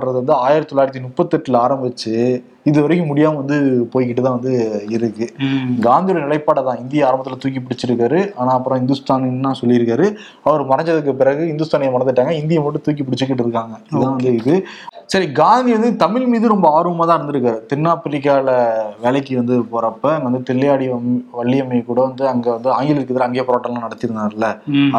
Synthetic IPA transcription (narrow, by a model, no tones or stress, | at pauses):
ɾɐðɯʋɐnd̪ɯaːjɪɾɐt̪t̪ːɔlːaːɪɾɐt̪ːinʊpːɐt̪ːɛʈːɪlaːɾɐmbɪt͡ʃːɯ | ɪðɯʋɐɾɐkːɯ̃mʊɽɪjaːmɐʋɐnd̪ɯpoːjk̬ːɪʈːɯt̪ãːʋɐnd̪ɯɪɾɯkːɯɡaːnd̪ijɔɽɐnɪlɐɪpːaːɽɐt̪ãːɪnd̪ɪjɐaːɾɐmbɐt̪ːɪlɐt̪uːk̬ːip̬ːɪɽɪt͡ʃːɪɾɯkːaːɾɯʔaːnaːɐpːɯɾõːɦɪnd̪ɯst̪aːnnãːsɔlːɪjɪɾɯkːaːɾɯ | ɐʋɐɾmɐɾɐɲd͡ʒɐðɯk̬ːɯpɪɾɐɣɯɪnd̪ɯst̪aːnɪjɐmɐɽɐnd̪ɯʈːaːŋɡɐɪnd̪ɪjɐmʋɐʈːɯt̪uːk̬ːip̬ɪɽɪt͡ʃːɯk̬ːɪʈ̬ːɪɾɯkːaːŋɡɐɪt̪ãːʋɐnd̪ɯɪðɯsɐɾiɡaːnd̪iɐnd̪ɯt̪ɐmɪlmiːðɯɾɔmbɐaːɾɯʋɐmaːt̪ãːɪɾɯnd̪ɯɾɯkːaːɾɯt̪ɪnːaːpːɪlɪkːaːɭɐʋeːɭɐk̬ːɯʋɐnd̪ɯpoːɾɐpːɐnɐnd̪ɐt̪ɪɭːɐjaːɽiʋɐɭːɪjɐmːɐjkːuːɽɐʋɐnd̪ɯɐŋɡeːʋɐnd̪ɯaːŋɡɪlɪɾɯkːɐðɐlɐŋɡeːpɔɾaːʈːɐlãːnɐɽɐt̪ːɪɾɯnd̪aːɾɪlːɐ